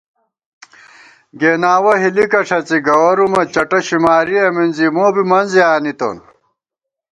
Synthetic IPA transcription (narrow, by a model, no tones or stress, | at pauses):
ɡeːnaːwɐɦilikɐʈ͡ʂʰɐt͡siɡɐwɐɾumɐt͡ɕɐʈɐɕimaːɾieminzimoːbimɐnziaːnit̪o̰ːn